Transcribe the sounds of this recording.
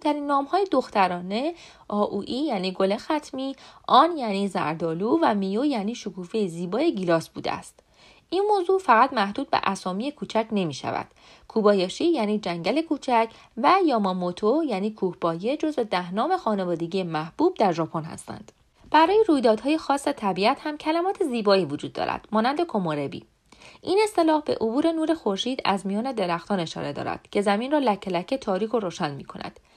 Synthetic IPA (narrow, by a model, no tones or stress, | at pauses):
t̪ʰæɾiːnːɒːmhɒːjed̪o̞xt̪ʰæɾɒːne̞ | ʔɒːʔuːʔiːjæːniːɡo̞lexæt̪ʰmiːʔɒːnjæːniːzæ̰ɾd̪ɒːluːvæmijojæːniːʃokʰuːfejziːbɒːjeɟilɒːsbuːd̪ḛæ̰st̪ | inmoːzuːfæɣæt̪mæhd̪uːd̪̥̚bḛʔæsɒːmije̞kʰuːt͡ʃʰæcʰne̞miːʃæ̰væ̰d̪̥ | kʰuːbɒːjɒːʃiːjæːniːd͡ʒæŋɟæle̞kʰuːt͡ʃʰæcʰ | væjɒːmɒmot̪ʰojæːniːkʰuːhb̥ɒːje̞d͡ʒo̞zve̞d̪æhnɒːme̞xɒːnevɒːd̪e̞ɟijemæhb̥uːb̚d̪æɾʒɒːpʰonhæ̰st̪æ̰nd̪̥ | b̥æɾɒːjeɾuːjd̪ɒːd̪hɒːje̞xɒːsvæt̪ʰæbiæt̪hæmcʰælæmɒːt̪ʰeziːbɒːiːvod͡ʒuːd̪ːɒ̰ːɾæ̰d̪̥mɒːnænd̪e̞kʰo̞moɾe̞bḭː | ʔine̞st̪e̞lɒːhbe̞̰ʔobuːɾe̞nuːɾe̞xo̞ɾʃiːd̪æ̰zmijɒːne̞d̪e̞ɾæxt̪ʰɒːne̞ʃɒ̰ːɾe̞d̪ɒ̰ːɾæ̰d̪̥cʰe̞zæminrɒːlæcʰːelæcʰːet̪ʰɒːɾiːkʰo̞ɾoːʃænmḭːkʰo̞næ̰d̪̥